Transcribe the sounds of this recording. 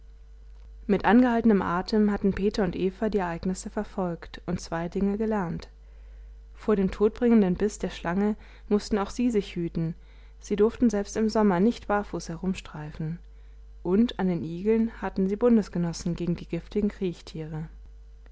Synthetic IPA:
mɪtʔanɡəhaltənəmʔaːtʰəmhatn̩pʰeːtɐʊntʔeːfɐdiːɛɐʔaɪɡnɪsəfɛɐfɔlktʔʊntt͡sv̥aɪdɪŋəɡəlɛɐnt | foːɐɾeːmtʰoːt̚b̥ʁɪŋəndənbɪsd̥eːɐʃlʔaŋə | mʊstn̩aʊxz̥iːzɪçhyːtn̩ | z̥iːdʊɐftn̩zɛlpstɪmzɔmɐnɪçtv̥aɐfuːshɛʁʊmʃtʁ̥aɪfn̩ | ʔʊntʰandeːnʔiːɡl̩nhatn̩ziːbʊndəsɡ̥ənɔsn̩ɡeːɡŋ̩diːɡɪftɪɡŋ̩kʁ̥iːçtʰiːʁ̞ə

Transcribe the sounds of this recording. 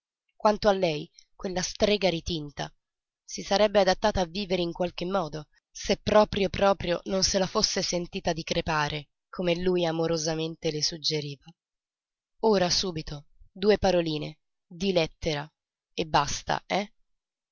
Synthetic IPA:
kwant̪oalːɛjkwelːast̪ɾeːɡaɾit̪int̪a̰ | sisaɾɛbːead̪at̪ːaːt̪aːvːiːveɾeiŋkwalk̟emːɔːd̪o | sepːɾɔːpɾjopɾɔːpɾjo̰nonselafosːesent̪iːt̪ad̪ikɾepaːɾe | kʰomelujamoɾozament̪elesud͡ʒːeɾiːva | oːɾasuːbit̪od̪uːepaɾoliːnḛ | d̪ilɛt̪ːeɾa | ebːast̪a̰ɛ

